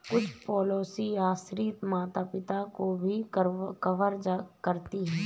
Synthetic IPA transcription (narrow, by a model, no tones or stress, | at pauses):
kʊt͡ʃʰpɔːloːsiaːsɾiːt̪maːt̪apɪt̪akobʱikɐʋəɾd͡ʒakɐɾt̪iɦɛː